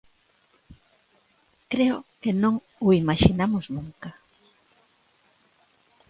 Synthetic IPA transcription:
kɾeʊkenõŋ | ʊimaʃinamʊznuŋka

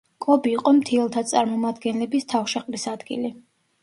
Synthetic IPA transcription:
kʼlˠɔbiːqʼɔmt̪ʰiɛlˠt̪ʰat̪sʼaɾmɔmad̪ɡɛnlɛbist̪ʰafʃaqʼlisad̪ɡḭli

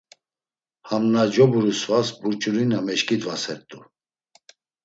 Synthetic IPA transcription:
hamnad͡ʒɔbuɾusvasbuɾt͡ʃʰʼuɾinamɛʃkʼid̪vasɛɾt̪ʼu

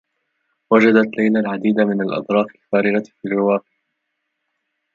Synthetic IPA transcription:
wad͡ʒad̪at̪lajlalʕad̪iːd̪amɪnalʔɑ̰d̪ˤɾˤɑːfɪlfaːɾɪɡafirːɪwaːqɪʕ

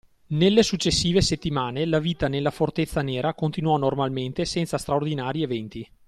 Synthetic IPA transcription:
nelːesut͡ʃːesːiːveset̪ːimaːnelaviːt̪anelːafort̪et̪sːaneːɾakont̪inuɔnormalment̪esɛnt̪sast̪ɾaord̪inaːɾievɛnt̪i

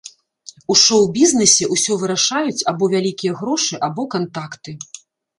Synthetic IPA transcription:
uʂɔwbʲiznɛsʲɛʔusʲɔvɨɾaʂajut͡sʲabɔvʲalʲikʲijɐɣɾɔʂɨʔabɔkant̪akt̪ɨ

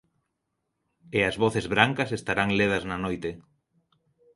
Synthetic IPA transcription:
eɐzβoθezβɾaŋkɐsest̪aɾaŋleðɐznanojt̪e

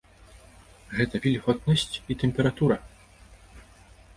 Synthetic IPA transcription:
ɣɛt̪ɐvʲilʲɣɔt̪̚nɐsʲt͡sʲit̪ɛmpʲɛɾat̪uɾɐ

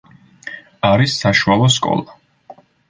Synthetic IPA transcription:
aɾisːaʃualˠɔskʼɔ̰lˠa

